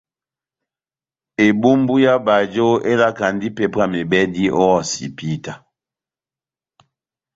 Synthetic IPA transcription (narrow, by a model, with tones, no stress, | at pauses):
e˨bu˦mbu˦ja˦ba˨d͡ʒo˦e˦la˦ka˨ndi˦pe˨pa˦˨me˨bɛ˦di˦ʔɔ˦ɔ˦˨sḭ˨pi˦ta˨